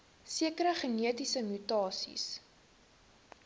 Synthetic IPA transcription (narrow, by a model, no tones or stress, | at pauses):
siəkəɾəχəniətisəmytɑːsḭs